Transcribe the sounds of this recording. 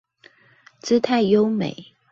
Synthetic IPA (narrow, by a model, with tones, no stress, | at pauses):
t͡sɹ̩˥t̪ʰa˥˩ɪjo˦ʊmḛ˨˩˦ɪ